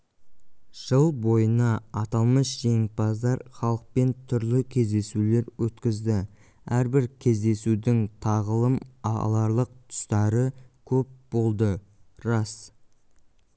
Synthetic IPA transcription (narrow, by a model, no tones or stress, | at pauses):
ʒ̥əlˠbo̞jənɑːt̪ɑlˠməsʒe̞ŋ̚pɑzd̪ɑɾχɑlˠəq̚pe̞nt̪ʰʏɾlɪkʲʰe̞zd̪e̞sule̞ɾwɵt̪kʲɪzd̪ɪ | æɾbɪɾkʲʰe̞zd̪e̞sud̪ɪŋt̪ʰɑʁəlˠəmɑ̰lˠɑɾlˠəq̚t̪ʰʊ̥st̪ɑɾəkʲʰɵp̚bo̞lˠd̪ə | ɾɑs